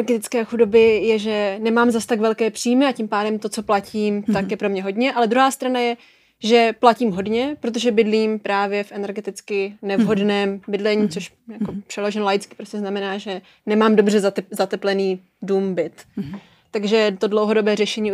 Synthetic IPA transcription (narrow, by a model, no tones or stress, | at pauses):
ɛɾɡɛt̪ɪt͡skɛːxudo̞bɪjɛʒɛnɛmaːmzast̪aɡvɛlkɛːpr̥iːjmɪacɪmpaːdɛmt̪o̞t͡so̞placiːmt̪akjɛpɾo̞mɲɛɦo̞dɲɛʔalɛd̪ɾuɦaːst̪ɾanajɛ | ʒɛplaciːmɦo̞dɲɛpɾot̪̬oʒɛbɪdliːmpɾaːvjɛfʔɛnɛɾɡɛt̪ɪt͡skɪnɛvɦo̞dnɛːmbɪdlɛɲiːt͡soʃ | jakopr̥ɛlo̞ʒɛnlajɪt͡skɪ̥pɾoscɛznamɛnaːʒɛ | nɛmaːmdobr̝ɛzzat̪ɛplɛniː | dumbɪt̪ː | aɡʒɛt̪o̞dlowɦo̞do̞bɛːrɛʃɛɲiː